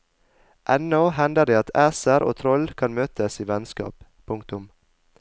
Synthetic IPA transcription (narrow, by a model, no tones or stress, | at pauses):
ʔɛnɔhɛnd̪əɖ̪eːɑt̪ʰæːsəɾʔo̰ːt̪ʰɾɔlkʰɑnmøːt̪ʰəsiːʋɛnskɑ̰ːppʰʊŋkt̪ʊm